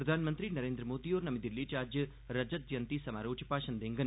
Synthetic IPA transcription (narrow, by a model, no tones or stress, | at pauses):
pɾɐd̪ʱaːnmɐnt̪ɾinɐɾeːnd̪ɾɐmoːd̪ijoːɾnɐmid̪ilːit͡ʃaːɾd͡ʒjɐ | ɾɐd͡ʒɐt̪jɐnt̪isɐmaːɾoːt͡ʃʰɐ̥paːʃɐnd̪eŋɡɐn